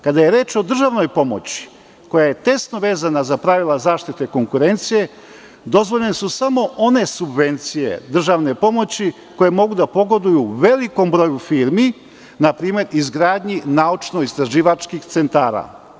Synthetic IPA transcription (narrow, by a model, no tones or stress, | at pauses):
kad̪aje̞ɾje̞ːt͡ʃo̞d̪r̩ʒaʋno̞jpo̞mo̰t͡ɕi̥ | ko̞jaje̞t̪e̞st̪noʋe̞ːzanazapɾaʋilˠazaːʃt̪it̪eko̞ŋkuɾe̞nt̪sije̞ | d̪o̞zʋo̞ʎenesusamo̞ʔo̞ne̞subʋe̞nt̪sijḛd̪r̩ʒaʋne̞po̞mo̞t͡ɕi | ko̞je̞mo̞ɡud̪apo̞ɡo̞d̪ujuʋe̞liko̞mbɾo̞jufiːɾmi | napɾiːme̞ɾizɡɾaːd̪ɲinaut͡ʃno̞ist̪ɾaʒiːʋat͡ʃkixt̪sent̪aːɾa̰